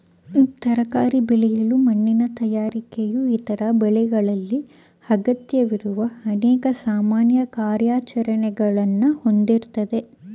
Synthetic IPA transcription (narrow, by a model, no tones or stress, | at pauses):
t̪ɐɾɐkaːɾibɛlɛjɐlumɐnːinɐt̪ɐjaːɾikejuit̪ɐɾɐbɛɭɛɡɐɭɐlːi | hɐɡɐt̪jɐʋiɾuʋɐɐnɛːkɐsaːmaːnjɐkaːɾjaːt͡ʃɐɾɐɳɛɡɐɭɐnːuho̞nd̪iɾt̪ɐd̪e̞